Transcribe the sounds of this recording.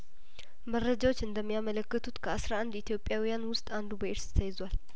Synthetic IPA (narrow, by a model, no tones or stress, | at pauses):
mərːəd͡ʒawo̞t͡ʃːɨnd̪əmːijamələkːət̪ʰut̪kʰəasɾaʔand̪it̪ʰjo̞pʼjawijanwʊst̪ʼand̪ubəʔɪɾst̪ʰəjɪzwal